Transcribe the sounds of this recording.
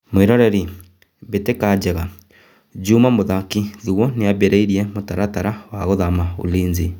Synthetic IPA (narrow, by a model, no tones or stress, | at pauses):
mweɾɔɾɛɾi | βetekad͡ʒɛɣa | d͡ʒumamoðakiðiɣwɔneaβeɾeiɾiɛmotaɾataɾawaɣoðamao̰liːnzi